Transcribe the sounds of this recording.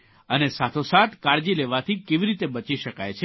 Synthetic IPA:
ənesat̪ʰosat̪kaɾd͡ʒileʋat̪ʰikeʋiɾit̪ebət͡ʃiʃəka̰jt͡ʃʰe

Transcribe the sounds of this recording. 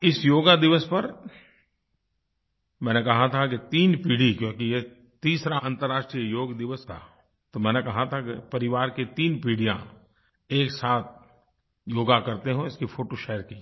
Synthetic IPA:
ɪsjoːɡad̪ɪʋəspɐɾ | mɛ̃ːnekɐɦat̪ʰaket̪iːnpiːɽ̤ikjõːkije | t̪iːsɾaãːnt̪əɾaːʃʈɾijəjoːɡd̪ɪʋəsʰa̰ | t̪omɛ̃ːnekɐɦat̪ʰakepɐɾɪʋaːɾket̪iːnpiːɽijã̰ | eːksaːt̪̚ʰ | joːɡakɐɾt̪eɦũɪskifʰoːʈoʃeːəɾki

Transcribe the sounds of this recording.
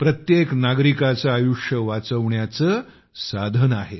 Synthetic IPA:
pɾət̪jeknaɡɾikat͡saːjuʂjəʋat͡səʋɳjat͡sə | sad̪ʱənaɦe

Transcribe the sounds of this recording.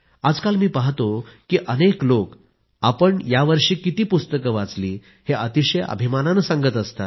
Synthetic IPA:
ad͡zkalmiːpaɦt̪okiːʔəneklok | apəɳjaʋəɾʂiːkit̪iːpust̪əkəʋat͡sliː | heʔət̪iɕəjə̰bʱimananəsãŋɡət̪əst̪a̰

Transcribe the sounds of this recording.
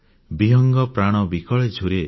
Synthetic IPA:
biɦɔŋɡɔpɾaɽ̃ɔbikɔɭed͡ʒʱuɾe

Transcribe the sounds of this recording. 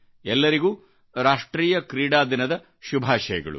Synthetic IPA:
ɛlːɐɾiɡuː | ɾaːʂʈɾiːjɐkɾiːɽaːd̪inɐd̪ɐ | ʃubʱaːʃɐjɐ̰ɡɐ̰ɭṵ

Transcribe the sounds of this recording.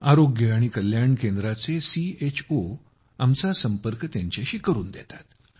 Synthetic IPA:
aɾoɡjəaɽ̃ikəljaɳkend̪ɾat͡sesiet͡ɕʰo | amt͡sasəmpəɾkt̪jaɲt͡ɕaɕiːkəɾuːnd̪jɛt̪ḁt̪

